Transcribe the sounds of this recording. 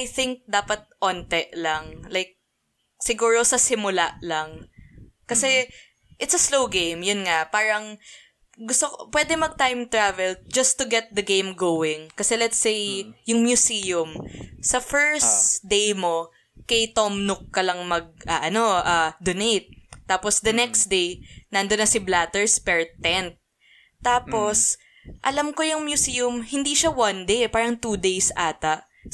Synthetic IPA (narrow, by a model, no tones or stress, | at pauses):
ajθɪŋk̚d̪aːpɐt̪̚ʔoːnt̪ɛʔlɐŋlajk̚ | sɪɡuːɹosɐsɪmʊlalɐŋ | kɐsɛ | ʔɪt̪sɐslowɡẽjmjʊnŋapaːɹɐŋ | ɡʊst̪okopwɛd̪ɛmɐɡ̚t̪ajmt̪ɹavɛld͡ʒɐst̪ʊɡɛt̪̚d̪ɐɡẽjmɡowɪŋkɐsɛlɛt̪sejjʊŋmjʊsiːjʊmsɐfɛɹsd̪ejmo̞ | kɐjt̪omnʊkːɐlɐŋmɐɡ̚ʔɐʔɐno̞ʔad̪onejt̪̚ːaːposd̪ɐnɛksd̪ejnɐnd̪od̪nːɐsɪblat̪ɛɹspɛɹt̪ɛnt̪̚ː | aːpo̞s | ʔɐlɐmkojʊŋmjʊsiʊmhɪnd̪iʃawɐnd̪ejpaːɾɐŋt̪ud̪ejsʔaːt̪ɐʔ